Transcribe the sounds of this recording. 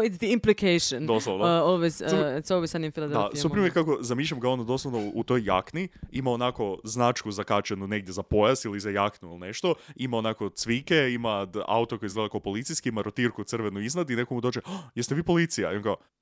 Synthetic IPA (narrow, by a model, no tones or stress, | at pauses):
ɪt̪sd̪iimplikejʃond̪oslˠonoʋajsoʋijsad̪nimfilˠad̪ed̪asupɾmjekako̞zamiːʃ̬ʎamɡaonad̪o̞slˠaʋnout̪o̞jːa̰kniimao̞nako̞znat͡ʃkuzakat͡ʃenune̞ɡ̚d̪ʲjezapo̞jast̪ilizajaknuilˠine̞ʃt̪o̞imao̞nako̞t̪sʋike̞imaa̰ut̪okojizɡled̪akaopo̞lit̪sijskiimaɾot̪iɾkut̪sɨr̩ʋenuiznad̪ine̞komud̪o̞t͡ʃejest̪eʋiːpo̞lit̪sija̰io̞nkao